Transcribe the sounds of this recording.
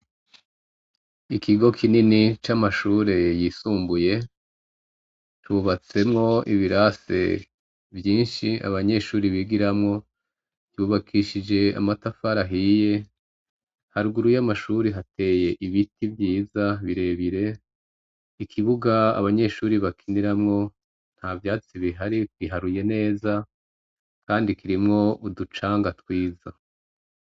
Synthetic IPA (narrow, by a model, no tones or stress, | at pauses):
ikʰiɡo̞kʰininit͡ʃamaʃuːɾe̞jisuːmbuje̞ | tʰuβat͡se̞mŋo̞ḭβiɾase̞̰ | vjiːnʃia̰βaɲe̞ʃuːɾiβiɡiɾamŋo̞ | juːβakʰiʃid͡ʒe̞a̰matafaɾaɦije̞ | haɾɡuɾujamaʃuːɾiɦate̞ːje̞ʔiβitivjiːzaβiɾe̞βiɾe̞ | ikʰiβuɡaa̰βaɲe̞ʃuːɾiβakʰiniɾamŋo̞ | n̥haːvjaːt͡siβiɦaɾitwiɦaɾuje̞ne̞ːza | kaːndikiɾimŋo̞ʔudut͡ʃaːŋɡatwiːza